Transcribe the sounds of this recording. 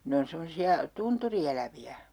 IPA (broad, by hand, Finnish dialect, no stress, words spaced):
ne on semosiɑ tunturielæʋiæ